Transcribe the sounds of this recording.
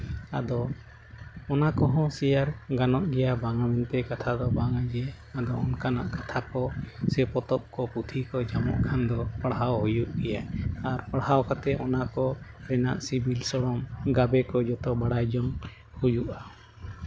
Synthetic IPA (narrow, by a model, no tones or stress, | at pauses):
a̰d̪ɔː | nakɔɦɔ̃sɛjaɾɡanɔʔɡɛjabaŋamɛnt̪ɛkat̪ʰad̪ɔbaŋad͡ʒɛ | ad̪ɔɔnkana̰ʔkḁt̪ʰakɔsɛpɔt̪ɔp̚kɔput̪ʰikɔd͡ʒamɔ̰ʔkʰand̪ɔpaɽɦawɦujuʔɡɛjaaɾpaɽhawkat̪ɛɔnakɔɾɛna̰ʔsibilsɔɽɔmɡabɛkɔd͡ʒɔt̪ɔbaɽajd͡ʒɔŋ | hujuʔa